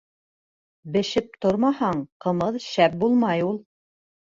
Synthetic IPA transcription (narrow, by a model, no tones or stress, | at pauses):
bɘ̆ʃɘp̚t̪oɾmɑhɑɴqɤ̆mɤðʃæp̚bulˠmɑjulˠ